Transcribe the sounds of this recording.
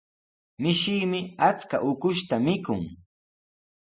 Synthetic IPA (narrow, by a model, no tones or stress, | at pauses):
mɪʃiːmɪat͡ska̰ʔʊkʊʃt̪amɪkʊŋ